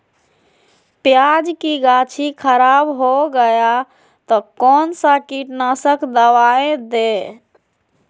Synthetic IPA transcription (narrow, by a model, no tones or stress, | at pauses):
pjad͡ʒkiɡat͡ʃʰikʰəɾabɦoɡəja | t̪ɔkɔːnsakiʈnasəkd̪əwaẽd̪e